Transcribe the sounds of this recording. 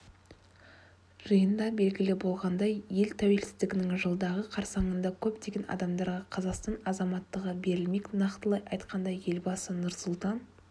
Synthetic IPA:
ʒəjənd̪ɑbe̞lɡʲɪlɪbo̞lˠʁɑnd̪ɑjje̞lt̪ʰæwe̞lsɪzd̪ɪɡʲɪnɪŋʒəlˠd̪ɑʁəqʰɑɾsɑɴənd̪ɑkʲʰɵpt̪e̞ɡʲe̞nɑ̰d̪ɑmd̪ɑɾʁɑqʰɑzɑqst̪ɑnɑzɑmɑt̪ːəʁəbe̞ɾɪlme̞knɑqt̪əlˠɑjɑjt̪qɑnd̪ɑje̞lbɑsənʊɾsʊlˠt̪ɑn

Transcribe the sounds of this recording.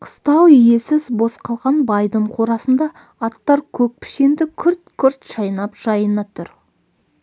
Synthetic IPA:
qʰə̥st̪ɑwije̞sɪzbo̞sqɑlˠʁɑnbɑjd̪əɴqʰoɾɑsənd̪ɑː | t̪ːɑɾkʲʰɵk̚pʰɪ̥ʃe̞nd̪ɪkʲʰʏɾt̪̚kʲʰʏɾt̪ʃɑjnɑpʒ̥ɑjənɑt̪ʰʊɾ

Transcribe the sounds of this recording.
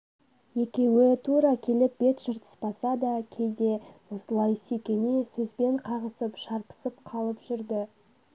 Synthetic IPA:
je̞kʲe̞wɪt̪ʰuɾɑkʲʰe̞lɪp̚b̥e̞t̪ʒ̥əɾt̪ə̥sbɑsɑd̪ɑkʲʰe̞jd̪e̞wo̞səlˠɑjsekʲe̞ne̞sɵzbe̞ɴqʰɑʁəsəpʃɑɾpə̥səpqʰɑlˠəpʒ̥ʏɾd̪ɪ

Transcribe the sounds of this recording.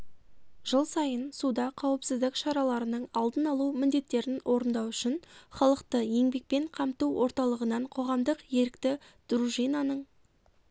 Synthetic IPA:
ʒ̥əlˠsɑjənsud̪ɑqʰɑwəpsɪzd̪ɪkʃɑɾɑlˠɑɾənəɴɑlˠd̪ənɑlˠuwmɪnd̪e̞t̪ːe̞ɾɪnwʔo̞ɾənd̪ɑwʏʃɪnχɑlˠəqt̪əje̞ŋbe̞k̚pe̞ɴqʰɑmt̪uwwo̞ɾt̪ɑlˠəʁənɑɴqʰo̞ʁɑmd̪əqje̞ɾɪkt̪ɪ | d̪̥ɾuʒijnɑnəɴ

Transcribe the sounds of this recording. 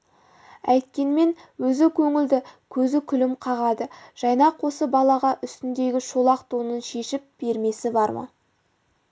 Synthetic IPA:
æjt̪kʲe̞nme̞nwɵzɪkʲʰɵŋɪld̪ɪkʲʰɵzɪkʲʰʏlɪmqʰɑʁɑd̪əʒ̥ɑjnɑqwo̞səbɑlˠɑʁɑʔʏst̪ɪnd̪e̞ɡʲɪʃolˠɑqt̪ʰonənʃe̞ʃɪp̚b̥e̞ɾme̞sɪbɑɾmə̰

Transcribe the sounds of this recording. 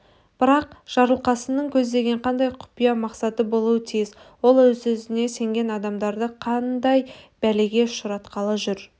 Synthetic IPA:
b̥ɪɾɑq̚ʒ̥ɑɾəlˠqɑsənəɴkʲʰɵzd̪e̞ɡʲe̞ɴqʰɑnd̪ɑjqʰʊ̥pijɑmɑqsɑt̪əbo̞lˠuət̪ʰijɪzwo̞lˠwɵzɵzɪne̞se̞ŋɡʲe̞nɑd̪ɑmd̪ɑɾd̪əqʰɑnd̪ɑjbæleɡʲe̞ʃʊɾɑt̪qɑlˠəʒʏɾ

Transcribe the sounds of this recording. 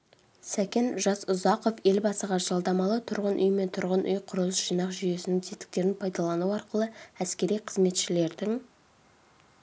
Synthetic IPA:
sækʲe̞nʒɑsʊzɑqo̞fe̞lbɑsəʁɑʒ̥ɑlˠd̪ɑmɑlˠət̪ʰʊɾʁənʔʏ̰jme̞nt̪ʰʊɾʁənʔʏjqʰʊɾəlˠəsʒ̥ijnɑqʒʏje̞sɪnɪŋzʰet̪ɪ̥k̚t̪e̞ɾɪnpʰɑjd̪ɑlˠɑnuwɑɾqəlˠəæskʲe̞ɾijqʰəzme̞t̪ʃɪle̞ɾd̪ɪŋ

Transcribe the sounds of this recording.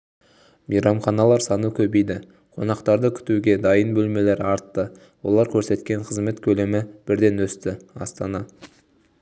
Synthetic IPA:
mijɾɑmχɑnɑlˠɑɾsɑnukʲʰɵbejd̪ɪ | qʰo̞̰nɑqt̪ɑɾd̪əkʲʰʏ̥t̪uɡʲe̞d̪ɑjənbɵlme̞le̞ɾɑɾt̪ːə | wo̞̰lˠɑɾkʲʰɵɾse̞t̪kʲe̞ɴqʰəzme̞t̪kʲʰɵle̞mɪb̥ɪɾd̪e̞nwɵst̪ɪɑ̰st̪ɑnɑ

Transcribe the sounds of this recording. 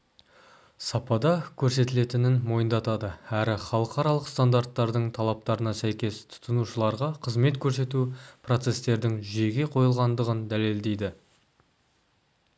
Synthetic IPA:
sɑpɑd̪ɑkʲʰɵɾse̞t̪ɪle̞t̪ɪnɪnmo̞jənd̪ɑt̪ɑd̪əæɾɪχɑlˠəqɑɾɑlˠəqst̪and̪aɾt̪ːɑɾd̪əɴt̪ʰɑlˠɑp̚t̪ɑɾənɑsæjkʲe̞st̪ʰʊ̥t̪ʰənuʃəlˠɑɾʁɑqʰəzme̞t̪kʲʰɵɾse̞t̪upʰro̞t̪se̞st̪e̞ɾd̪ɪŋʒie̞ɡʲe̞qʰo̞jəlˠʁɑnd̪əʁənd̪æle̞ld̪e̞jd̪ɪ

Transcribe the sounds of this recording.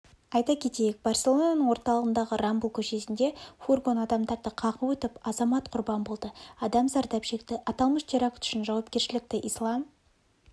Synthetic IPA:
ɑjt̪ɑkʲʰe̞t̪e̞jɪk̚b̥ɑrsʲe̞lˠonɑnəɴwoɾt̪ɑlˠəʁənd̪ɑʁəɾambulˠkʲʰɵʃe̞sɪnd̪e̞furɡo̞nɑd̪ɑmd̪ɑɾd̪əqʰɑqəwɵt̪ɪpɑzɑmɑt̪qʰʊɾbɑmbo̞lˠd̪əɑd̪ɑmzɑɾd̪ɑpʃe̞k̚t̪ɪʔɑt̪ɑlˠməʃt̪ʰeɾakt̪ʰʏ̥ʃɪnʒɑwɑpkʲe̞ɾʃɪlɪk̚t̪ɪʔijslˠɑm

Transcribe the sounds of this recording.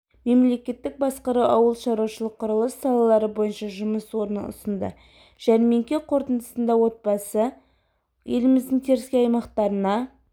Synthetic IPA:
me̞mle̞kʲe̞t̪ːɪk̚bɑsqəɾɑwɑwəlˠʃɑɾwɑʃəlˠəqʰːʊɾəlˠəsːɑlˠɑlˠɑɾəbo̞jənʃɑʒʊməswo̞ɾənə̰ʊ̰sənd̪ə̰ | ʒ̥ænme̞ŋkʲe̞qʰo̞ɾt̪ənd̪əsənd̪ɑwo̞t̪̚bɑsə | je̞lɪmɪzd̪ɪŋt̪ʰe̞ɾɪskʲeɑjmɑqt̪ɑɾənɑ

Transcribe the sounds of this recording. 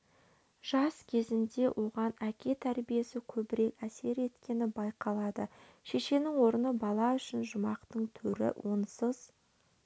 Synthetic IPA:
ʒ̥ɑskʲʰe̞zɪnd̪e̞wʔo̞ʁɑnækʲe̞t̪ʰæɾbije̞sɪkʲʰɵbɪɾe̞kæse̞ɾe̞t̪kʲe̞nɪbɑjqɑlˠɑd̪ə | ʃe̞ʃe̞nɪŋwo̞ɾənəbɑlˠɑʏʃɪnʒʊmɑqt̪əɴt̪ʰɵɾɪ̰wonsəz̥

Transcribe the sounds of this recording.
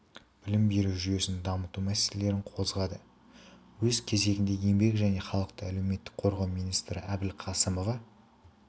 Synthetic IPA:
b̥ɪlɪmbe̞ɾuwʒyje̞sɪnd̪ɑmət̪umæselele̞ɾɪɴqʰo̞zʁɑd̪ə | wɵzkʲʰe̞ze̞ɡʲɪnd̪e̞je̞mbe̞kʒæne̞χɑlˠəq̚t̪əæle̞wme̞t̪ːɪ̥k̚qʰo̞ɾʁɑwmijnijst̪ɾɪʔæbɪlqʰɑsəmo̞vɑ

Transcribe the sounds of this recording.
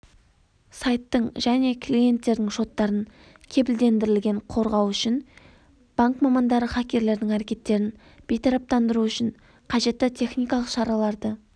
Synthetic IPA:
sajt̪ːəɴʒæne̞kʰlije̞nt̪ːe̞ɾd̪ɪŋʃo̞t̪ːɑɾən | kʲʰe̞bɪld̪e̞nd̪ɪɾɪlɡʲe̞ɴqʰo̞ɾʁɑwʏʃɪŋ | b̥aŋkmɑmɑnd̪ɑɾəχɑkʲe̞ɾle̞ɾd̪ɪŋæɾekʲe̞t̪ːe̞ɾɪn | b̥e̞jt̪ʰɑɾɑp̚t̪ɑnd̪əɾuʏʃɪn | qʰɑʒe̞t̪ːɪt̪ʲʰe̞χnijkɑlˠəqʃɑɾɑlˠɑɾd̪ə

